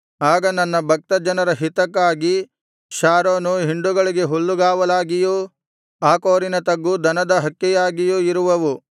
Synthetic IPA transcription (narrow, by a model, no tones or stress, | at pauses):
aːɡɐnɐnːɐbʱɐk̚t̪ɐd͡ʒɐnɐɾɐɦit̪ɐkːaːɡi | ʃaːɾoːnuɦiɳɖuɡɐɭiɡe̞ɦuɭːuɡaːʋɐlaːɡiju | aːkoːɾinɐt̪ɐɡːud̪ɐnɐd̪ɐɦɐkːɛjaːɡijuiɾuʋɐʋu